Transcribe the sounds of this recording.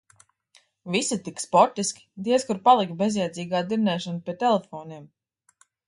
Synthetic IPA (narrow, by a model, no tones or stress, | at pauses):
visit̪ikspɔɾt̪iskʲi̥d̪iɛskuɾpalˠikbezjɛjd̪ziːɡaːd̪iɾnɛːʃanpʲiɛt̪ɛlɛfɔːniɛm